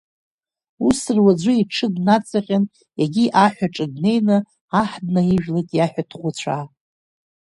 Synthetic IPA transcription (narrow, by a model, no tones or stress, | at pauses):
usɨrwad͡ʒʷʊiʈ͡ʂʰɨɡnat͡sʼaχʲʼan | jaɡʲiʔaħʷᶣaʈ͡ʂʼɨɡne̞jnɨ | aħd̚naiʒᶣlatʼjaħᶣatʰχʷʊt͡ɕʷʰa